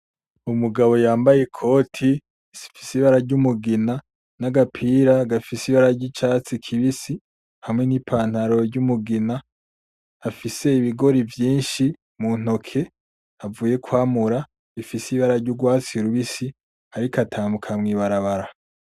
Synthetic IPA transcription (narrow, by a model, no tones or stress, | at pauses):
umuɡaβo̞jaːmbaje̞kʰo̞ːtʰi | i̥fi̥siβaɾaɾɟumuɡina | naɡapʰiɾaɡafisiβaɾaɾɟit͡ʃaːt͡sikʰiβisi | hamŋe̞nipʰaːn̥haɾo̞ɾɟumuɡinaː | fise̞iβiɡo̞ɾivjiːnʃi | mun̥o̞kʰe̞ | avuːje̞kʰwaːmuɾa | βifisiβaɾaɾɟuɡwaːt͡siuɾuβisi | aɾikatʰaːmukʰamŋiːβaɾaβaɾa